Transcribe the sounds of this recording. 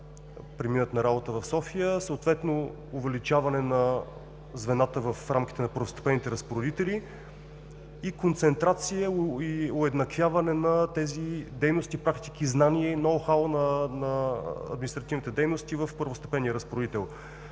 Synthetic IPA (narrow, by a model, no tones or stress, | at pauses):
pɾɛminət̪nɐɾabot̪əvɐfsɔfijəsəːt̪vɛt̪no | ʊvɛlit͡ʃavɐnɛnɐ | zvɛnat̪əvəfɾamk̟ʲi̥t̪ɛnɐpəɾvʊst̪ɛ̥pɛnit̪ɛɾəspoɾod̪it̪ɛli | ikont̪sɛnt̪ɾat̪sijəiʊɛd̪nɐkvʲjavɐnɛnɐt̪ɛzid̪ɛjnost̪iːpɾakt̪ikiznaniɛinɔwxalˠnɐnɐɐ̰d̪minist̪ɾɐt̪ivnit̪ɛd̪ɛjnost̪ivəfpəɾvʊst̪ɐpɛniəɾəspoɾod̪it̪ɛlˠ